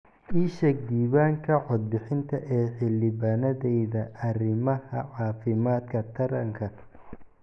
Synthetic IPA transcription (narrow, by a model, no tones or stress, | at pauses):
iːʃɛk̚d̪iːβaːŋkʰɐʕɔd̪̚bɪħɪnt̪ʰɐʔɛːħɪlːɪβaːnɐðɛjðɐʔɐrɪmɐhɐʕɑːfɪmaːd̪kʰɐt̪ʰɐɾɐŋkʰɐ